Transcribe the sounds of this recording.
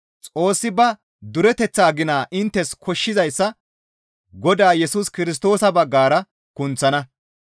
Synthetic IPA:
t͡sʼo̞ːsːɪbɐ | d̪ʊɾɛt̪ɛt͡sːaːɡɪnaːʔɪnt̪ːɛskʰɔʃːɪzɐjsːɐ | ɡɔd̪aːjɛsuːskɪɾɪs̬t̪o̞ːsɐbɐɡːaːɾɐ | kʊnt͡sːɐnɐ

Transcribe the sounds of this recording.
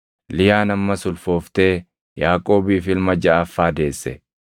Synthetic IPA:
lɪjaːnɐmːɐsʊlfo̞ːft̪e̞ː | jaːkʼo̞ːbiːfɪlmɐd͡ʒɐːfːaːd̪e̞ːsːɛ̰

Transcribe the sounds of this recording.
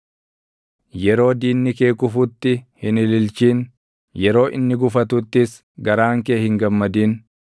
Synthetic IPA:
jɛɾo̞ːd̪iːnːɪkeːkʊfʊt̪ːɪhɪnɪlɪlt͡ʃiːn | jɛɾo̞ːʔɪnːɪɡʊfɐt̪ʊt̪ːɪs | ɡɐɾaːŋkeːhɪŋɡɐmːɐd̪iːn

